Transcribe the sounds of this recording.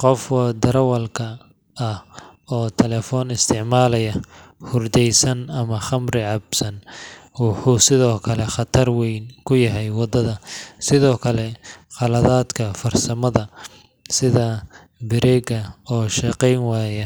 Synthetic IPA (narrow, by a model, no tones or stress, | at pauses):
qɔfwd̪ɐɾɐwɐlkʰɐ | ɐh | ɔːt̪ʰɛlɛːfɔːnɪst̪ʰɪʕmaːlɐjɐ | hʊrd̪ɛjsɐnɐmɐχɐmɾɪʕɑbsɐnwʊħuːsɪðɔːkʰɐlɛχɑt̪ʰɐrwɛjnkʰʊjɐɦɛjwɑd̪ɐðɐsɪðɔːkʰɐlɛqɑlɐðaːd̪kʰɐfɐrsɐmɐðɐ | sɪðɐ | bɪɾɛːɡɐɔːʃɛqɛjnwaːjɐ